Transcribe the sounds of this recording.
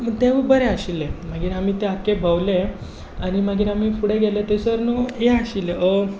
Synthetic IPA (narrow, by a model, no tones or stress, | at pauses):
məɡt̪eʋəbəɾeaɕileməɡiːɾamiːt̪eakebʱəʋle | añimaɡiːɾam̤iːfuɽeɡelet̪esəɾnoeaɕileə